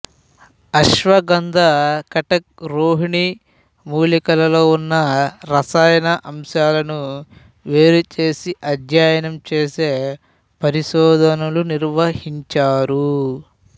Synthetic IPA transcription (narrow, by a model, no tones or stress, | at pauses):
ɐʃʋɐɡɐnd̪ʱɐkɐʈɐk̚ɾoːɦiɳi | muːlikɐlɐlo̞ːunːɐɾɐsaːjɐnɐʔɐmʃaːlɐnu | ʋe̞ːɾut͡ʃeːsiʔɐd̪ʱjaːjɐnɐmt͡ʃeːse̞ː | pɐɾiʃɔːd̪ʱɐnuluniɾʋɐhiɲt͡ʃaːɾu